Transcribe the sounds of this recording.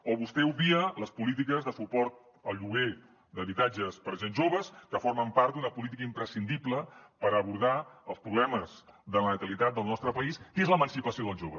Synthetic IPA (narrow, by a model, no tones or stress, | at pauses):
oβust̪ɛuβiələspulit̪ikəzðəsupɔɾt̪̚ | əlˠʎuɣe | d̪əβit̪ad͡ʒəspəɾʒenzʒoβəskəfoɾməmpaɾt̪̚d̪unəpulit̪̬ikəimpɾəsind̪ipləpəɾəβuɾð̞aəlˠspɾuβlɛməzðələnət̪əlit̪at̪̚d̪əlˠnɔst̪ɾəpəiskezləmənsipəsijoð̞əlˠʒoβəs